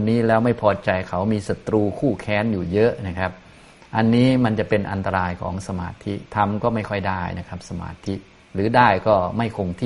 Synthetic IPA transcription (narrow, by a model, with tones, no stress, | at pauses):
nːiː˦˥lɛː˦˥wma˥˩jpʰɔː˧t͡ɕa˧jkʰa˩˦wmiː˧sa˨˦t̪ɾuː˧kʰuː˥˩kʰɛː˦˥njuː˨˩jɤ˦˥ʔna˦˥˩kʰa˦˥p̚ | ʔa˧nːiː˦˥ma˧nt͡ɕa˨˩pe˧nʔa˧nt̪a˧ɾaː˧jkʰɔ̰ː˩˦ŋsa˧ma̰ː˧t̪ʰi˦˥t̪ʰa˧mkɔː˥˩ma˥˩jkʰɔ˥˩jdaː˥˩jna˦˥kʰa˦˥p̚sa˧ma̰ː˧˩t̪ʰi˦˥ | ɾɯː˩˦daː˥˩jkɔː˥˩ma˥˩jkʰo˧ŋt̪ʰiː˥˩